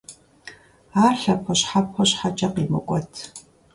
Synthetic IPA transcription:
aːrɬɐpʰɐɕħapʰxɔɕħat͡ʃʼɐqiːmɨ̰kʷʼɔtʰ

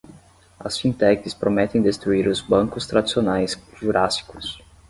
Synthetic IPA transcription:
ɐsfĩnt̪ɛkɪspɾʔomɛt̪ẽj̃d̪est̪ɾuiɾʊzbɐ̃ŋkʊst̪ɾad̪isionajsʒuɾʔasi̥kʊs

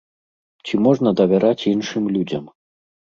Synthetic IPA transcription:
t͡sʲimɔʐnɐd̪ɐvʲɛɾat͡sʲinʂɨmlʲud͡zʲɐm

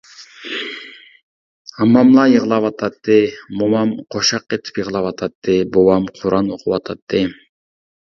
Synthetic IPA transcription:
ɑmːɑmlˠɑjəʁəlˠɑwɑt̪ʰɑt̪ːɨmomɑmqʰoʃɑqːet̪ʰi̥pjəʁəlˠɑwɑt̪ʰɑt̪ːɨbowɑmqʰuɾʔɑnoqʰuwɑt̪ʰɑt̪ːɨ

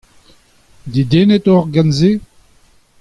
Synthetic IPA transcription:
d̪id̪enɛt̪ɔʁɡanze

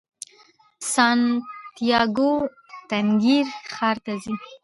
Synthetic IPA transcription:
sɑnt̪jɑɡo | t̪aŋɡiɾxɑɾt̪azi

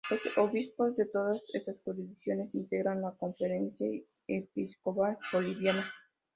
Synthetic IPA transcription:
losoβispo̞zðet̪oðasesaskoɾiðiθjo̞ne̞sint̪eɣɾanlako̞ɱfeɾe̞nθja | episkoβaboliβjana

